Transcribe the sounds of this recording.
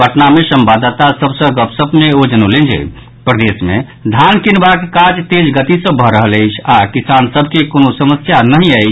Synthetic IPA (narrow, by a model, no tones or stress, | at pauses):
əʈnamesəmbad̪t̪asəbʱsə̃ɡəpsəbʱneod͡ʒənolẽnd͡ʒḛ | pɾəd̪esmḛ | d̪ʱankinbakekad͡ʒt̪ed͡ʒɡət̪isə̃bʱəɾəɦələjt͡ʃʰakisansəbʱkekonosəməsjanəɦĩəɪt͡ʃʰ